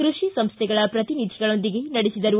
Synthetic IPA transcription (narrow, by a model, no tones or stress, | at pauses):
kɾuʂisɐmst̪ʰɛɡɐɭɐpɾɐt̪inid̪ʱiɡɐɭo̞nd̪iɡe̞nɐɽesid̪ɐɾu